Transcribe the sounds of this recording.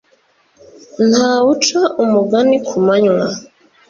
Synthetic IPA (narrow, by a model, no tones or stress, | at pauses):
nhawut͡ʃaʔumuɡanikʰumaɲwa